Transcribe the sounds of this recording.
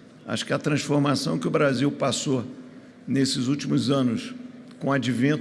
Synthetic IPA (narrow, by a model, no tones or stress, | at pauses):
a̰ʃʊ̥kɛɐt̪ɾɐ̃sfoɾmasɐ̃w̃kɪʊbɾaziwpaso | nesɪzut͡ʃimʊzɐ̃nʊs | kõad͡ʒivẽnt̪